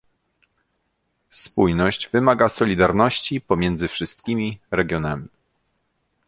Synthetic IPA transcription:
spujnɔɕd͡ʑvɘmaɡasɔlʲid̪aɾnɔɕt͡ɕipɔmʲjɛnd̪zɘfʂɘst̪̚kʲimʲiɾɛɡʲjɔnamʲi

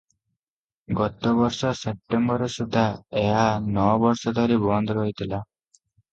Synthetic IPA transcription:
ɡɔt̪ɔbɔɾsɔsep̚ʈembɔɾɔsud̪ʱaeɦanɔbɔɾsɔd̪ʱɔɾibnd̪ɾɔɦjt̪ʰila

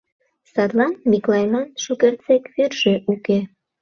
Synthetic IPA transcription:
sɑt̪lɑnmʲiklˠɑjmɑnʃukert͡sekvyrʒĕʔuke

